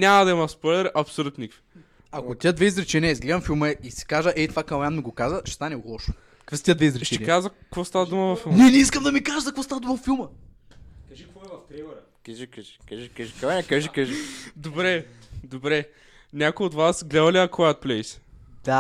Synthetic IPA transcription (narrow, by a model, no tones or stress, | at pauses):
nʲamɐd̪ɐimɐspɔjlɛɾʔɐpsulʲut̪nikfi̥ | ɐkot̪ʲiəd̪vɛizɾɛt͡ʃɛniəizɡlɛd̪ɐmfilˠməɛʔisi̥kaʒəʔɛjt̪vakɐwjanmiɡokazəʃɛ̥st̪anɛlˠɔʃo̥ | kvɛsət̪iəd̪vɛizɾɛʃt͡ʃɛɛnːkazəkvɔst̪avɐd̪uməvɐfːinɛnɛiskəmd̪ɐmikaʒəzɐkvɔst̪avəd̪uməvɐfilˠmə | kɐʒikvɔɛvɐft̪ɾɛmɛɾ | kɐʒikɐʒi̥kaʒikaʒikaɛkaʒikaʒid̪obɾɛd̪obɾɛ | nʲakojot̪vasɡlɛd̪ɐliɐkɔɛɐt̪̚plɛisd̪̥a